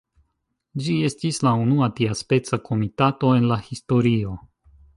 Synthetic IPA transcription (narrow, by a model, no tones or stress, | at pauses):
d͡ʒie̞stislaunuatiaspe̞t͡sakʰo̞mitato̞e̞nlahisto̞ɾio̞